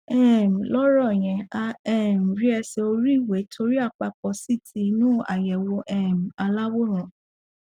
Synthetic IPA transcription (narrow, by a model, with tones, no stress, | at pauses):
ɛ˦˨m̩˨lɔ˦ɾɔ˦˨j̃ɛ̃˨a˧ɛ˦˨m̩˨ɾi˦ɛ˧se˧o˧ɾi˦˨we˨˦tʰo˧ɾi˦a˦˨k͡pa˧k͡pɔ˧˦si˦˨ti˧˦nũ˦a̰˨jɛ˨wo˧ʔɛ˦˨m̩˨a˧la˦wo˦ɾ̃ũ˨